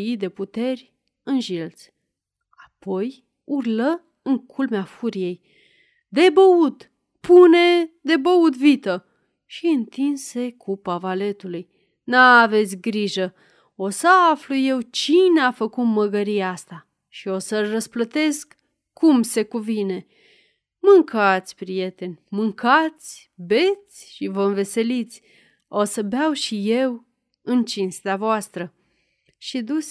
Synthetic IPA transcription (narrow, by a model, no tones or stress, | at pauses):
jid̪e̞put̪e̞rʲ | ɨnʒilt̪sʲ | apo̞j | urlə | ɨŋkʰulmeafuɾije̞j | d̪e̞bəut̪ | pune̞d̪e̞bəut̪vit̪ə | ʃiɨnt̪inse̞kʰupavale̞t̪uluj | naːve̞t̪sʲɡɾiʒə | o̞səafluje̞wt͡ʃineafəkut̪məɡəɾijeast̪a | ʃio̞səlrəsplət̪e̞skː | umse̞kuvine̞ | mɨŋkʰat̪sʲpɾije̞t̪e̞nʲmɨŋkat̪sʲ | be̞t̪sʲʃivəɨnve̞se̞lit̪sʲ | o̞səbeawʃije̞w | ɨnt͡ʃinst̪eavoast̪ɾə | ʃid̪usʲ